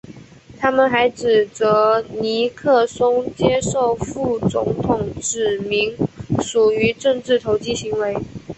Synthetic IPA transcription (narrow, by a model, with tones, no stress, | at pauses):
t̪ʰa˥mə˨nxa˧˥ɪʈ͡ʂɻ̩˨˩t͡sɤ˧˥ni˧˥kʰɤ˥˩sʊ˥ŋt͡ɕjɛ˥ʂo˥˧ʊfu˥˩t͡sʊ̰˧˥ŋt̪ʰʊ˨˩ŋʈ͡ʂɻ̩˨˩mi˧˥ŋʂu˨˩y˧˥ʈ͡ʂɤ˥˧ŋʈ͡ʂɻ̩˥˩t̪ʰo˧˥ʊt͡ɕi˥ɕi˧˥ŋwe˧˥ɪ